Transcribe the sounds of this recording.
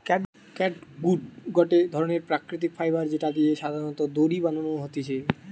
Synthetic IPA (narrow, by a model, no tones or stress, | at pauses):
kɛʈ | kɛʈɡuɖɡɔʈed̪ʱɔɾoneɾpɾakɾit̪̬ikfʰajbaɾd͡ʑeʈad̪ieʃad̪ʱaɾonɔt̪od̪oɾibanonoɦot̪et͡ɕʰe